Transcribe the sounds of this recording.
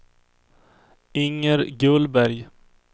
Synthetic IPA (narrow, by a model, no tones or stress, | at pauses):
ɪŋːəɾɡɵlbæɾj